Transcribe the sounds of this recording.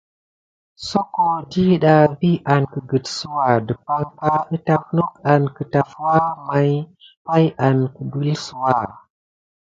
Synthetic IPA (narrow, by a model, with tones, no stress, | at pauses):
so˦ko˨di˦ɗa˨vi˦ʔa˨nkə˨ɡə˨tsu˦wa˨də˨pa˦ŋka˦ə˦ta˨fno˦ka˨nkə˨ta˨fwa˦ma˨j | pa˦ja˨nkə˨bə˦lsu˦wa˨